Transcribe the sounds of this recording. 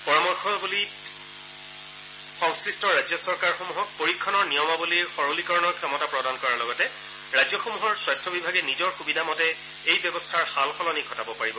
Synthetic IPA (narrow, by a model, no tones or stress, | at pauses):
pɔɹamɔɹkʰɔbuli | xɔŋskɹistʰɔɹajzjɔsɔɹkaɹxomuɦɔk̚poɹikʰːɔnɔɹnijɔmabuliɹxɔɹolikɔɹɔnɔɹkʰjɔmɔtapɹɔdankɔɹaɹlɔɡɔtɛ | ɹajzjɔxomuɦɔɹswajstʰɔbibʱaɡɛnizɔɹxubidʱamɔtɛ | ejbjɛbɔstʰaɹxalxɔlɔniɡʱɔtabɔpaɹibɔ